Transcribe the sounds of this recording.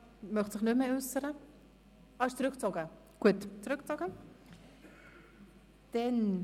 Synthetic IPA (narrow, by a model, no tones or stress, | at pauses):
mœχtsɪχnymeʉsəɾə | ɑɪʃt͡sɾʏkt͡sɔɡə | ɡ̥uətt͡sɾʉk̚t͡sɔɡə | d̥ɛn